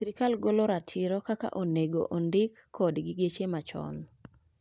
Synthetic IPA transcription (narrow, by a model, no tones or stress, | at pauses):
siɾikalɡoloɾatʰɪɾɔkaka̰ʔoneɡo̰ʔondɪkʰːɔdɡɪɡet͡ʃemat͡ʃɔ̰n